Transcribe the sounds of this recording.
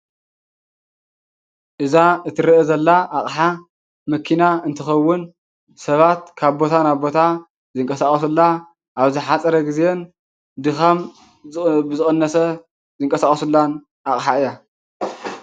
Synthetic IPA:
ʔɨzaɨt̪ʰɨɾiʔɛzɐlːaaχʼħa | mɨkʰːinaɨnt̪ʰɨxɐwːʊn | sɐβat̪kʰaβbo̞t̪ʰanabo̞t̪ʰa | zɨŋkʼɐsaχʼɐsulːa | ʔaβzɨħat͡sʼɐɾɐɡizen | d̪ɨxɐm | bɨzɨxʼɨnːɐsɐ | zɨŋkʼɐsaχʼɐsulːan | ʔaχʼħaɨjːa

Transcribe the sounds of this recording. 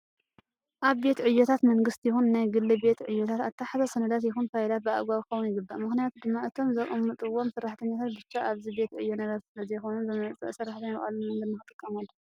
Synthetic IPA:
ʔaβbe̞t̪ʕɨjːot̪ʰat̪mɐŋɡɨst̪jɪxunnajɡɨlːɨbe̞t̪ʕɨjːot̪ʰat̪at̪ʰːaħazɐsɐnɐd̪at̪jɪxunfajlat̪̚bɨa̰ɡʷaβkʰɨxɐwunjɪɡɨbːaʔmɨxnijat̪ʰud̪ɨmːaɨt̪ʰo̞mzɐʔʼɨmːɨt̪ʼɨwːomsɨɾːaħt̪ʰɐɲːat̪ʰat̪̚bɨt͡ʃːaʔaβzibe̞t̪ʕɨjːonɐβɐɾsɨlɐzɐjxonunzɨmɐt͡sʼɐ̰ʔsɨraħt̪ʰɐɲaʔʼa̰luɨnzɨmːɨxɨt̪ʼɨkʼːɐmɐlː

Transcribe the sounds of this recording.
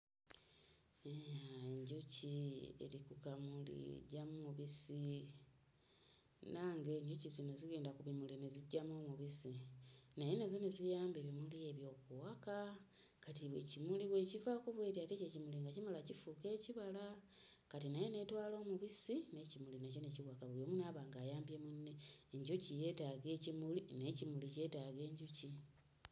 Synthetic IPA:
eaeɲɟuciḛɾikukamulḭḛɟamumuβisi | naːŋɡe̞ːɲɟucizinoziɡeːndakuβimulineziɟamomuβisinajenezenezijaːmbeβimulieβjo̞ːkuwaka | katiβwḛcimuliβwe̞ːcivakuβweːɾiatececimuliŋɡacimalacifuke̞ːciβala | katinajene̞twaːlo̞ːmuβisine̞cimulinaco̞ne̞ciwakaβulio̞ːmunaːβaːŋɡaːjaːmbjemunːeːɲɟucije̞ːtaɡe̞ːcimuline̞cimulice̞ːtaɡe̞ːɲɟuci

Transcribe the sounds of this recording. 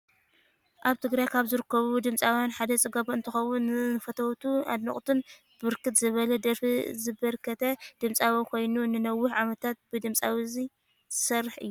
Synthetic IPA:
ʔaβt̪ʰɨɡɾajkʰaβzɨɾɨkːɐβud̪ɨmt͡sʼawjanħad̪ɐt͡sʼɨɡɐβoɨnt̪ʰɨxɐwunːɨnɨfɐt̪ʰɐwt̪ʰua̰d̪nɐχʼt̪ʰɨn | bɨɾkɨt̪zɨβɐlɐd̪ɐɾfizɨbɐɾkʰɐt̪ʰɐd̪̥ɨmt͡sʼawikʰo̞jnunɨnɐwːʊħʕamɐt̪ʰat̪̚bɨd̪ɨmt͡sʼawizi | zɨsɐrːɨħɨ̰jːu

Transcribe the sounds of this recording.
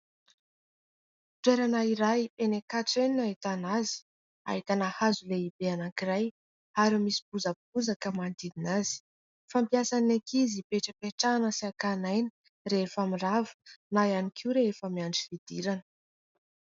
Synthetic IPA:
t̪weɾanaiɾajenekaʈ͡ʂeninaɦit̪anazi̥ | a̰ɦit̪anahazuleibeanakiraj | aɾimisi̥buzəb̚uzakəmand̪ininaz̥i̥ | fampiasanekizipeʈ͡ʂəpeʈ͡ʂanəsiakanajni̥ | reefamiravə̥najanikʰiuɾeefəmiaɳɖ͡ʐifid̪̥iɾanə̥

